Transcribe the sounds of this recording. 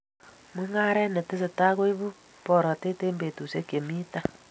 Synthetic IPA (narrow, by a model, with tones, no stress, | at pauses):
mwe˦ŋa˦ɾɛ˦ne˨te˦s̬e˨ta˦ɣo˦i˦βu˦ | pɔ˨ɾɔ˨te˦teː˦mbe˨tu˨se˦kje˨mi˦ta˦